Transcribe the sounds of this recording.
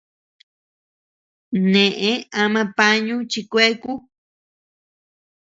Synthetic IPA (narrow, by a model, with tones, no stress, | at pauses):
nẽ˨ʔẽ˦a˧mã˧pa˦ɲũ˦t͡ʃi˧kʷe˦ku˦